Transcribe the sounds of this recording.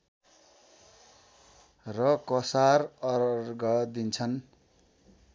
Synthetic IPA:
rʌkʌsarʌrɡʌd̪int͡sʰʌn

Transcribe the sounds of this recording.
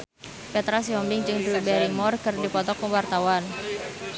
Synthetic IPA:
pɛt̪ɾasiɔmbɪŋd͡ʒɨŋdɾubɛɾiŋmɔrkɨrdipɔt̪ɔkɔwart̪awan

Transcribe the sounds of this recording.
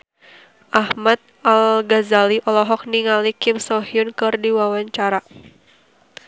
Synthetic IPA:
ʔahmat̪̚alɡazaliʔɔlɔɦɔk̚niŋalikɪmsɔɦiʊnkɨrdiwawaɲt͡ʃaɾa

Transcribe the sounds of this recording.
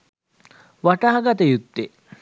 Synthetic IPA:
ʋaʈaːaɡat̪əjut̪ːe

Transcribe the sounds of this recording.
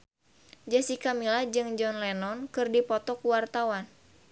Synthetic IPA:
d͡ʒasikamilad͡ʒɨŋd͡ʒɔnlɛnɔnkɨrdipɔt̪ɔkuwart̪awan

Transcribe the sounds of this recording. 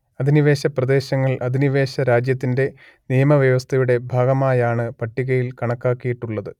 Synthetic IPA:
ɐd̪iniʋe̞ːɕɐprɐd̪e̞ːɕɐŋːɐɭɐd̪iniʋe̞ːɕɐɾaːd͡ʑjɐt̪̬ːinde̞ | nijɐmɐʋjɐʋɐst̪ʰɐjuɽe̞bʱaːɡɐmaːjaːɳɨpɐʈːiɣɐjilkɐɳɐkːaːkːijiʈːuɭːɐðɨ

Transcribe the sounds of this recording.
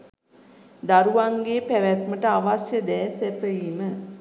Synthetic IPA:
d̪aɾuʋaŋɡeːpæʋæt̪məʈəaʋasjəd̪ɛːsæt̪əjiːmə

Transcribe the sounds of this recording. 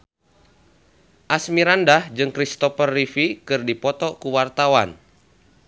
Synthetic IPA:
ʔasmiɾandahd͡ʒɨŋkɾist̪ɔfərːifikɨrdipɔt̪ɔkuwart̪awan

